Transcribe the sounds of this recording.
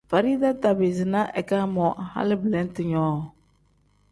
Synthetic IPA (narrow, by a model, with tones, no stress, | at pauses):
fa˨ɾi˦da˦ta˨bɪ˨zɪ˨na˦ʔɛ˨ka˦mɔ˨ha̰˦lɪ˦blɛ˦n˦tɪ˨ɲɔː˦˨